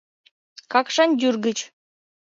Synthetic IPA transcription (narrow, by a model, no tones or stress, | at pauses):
kɑkʂɑnʲd̪ʲyrɡɘ̆t͡ɕ